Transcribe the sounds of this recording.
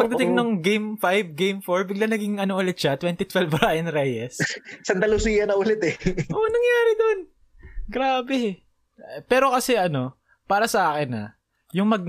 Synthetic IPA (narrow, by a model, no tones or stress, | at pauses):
pɐɡd̪ɐt̪ɪŋnʊŋɡejmfajb̚ɡejmfoɹbɪɡlanɐɡɪŋʔɐnoʔʊlɪt̪̚ʃɐt̪wɛnt̪it̪wɛlvɾaʔɪnɾɛjɛssɐnt̪ɐlʊsiːjɐnɐʔʊlɪt̪ɛʔonɐŋjaːɾɪd̪on | ɡɾaːbɛ | pɛːɾo̞kɐsɛʔɐno̞ | paːɾɐsɐʔaːkɪnɐ̰ | jʊŋmɐɡ̚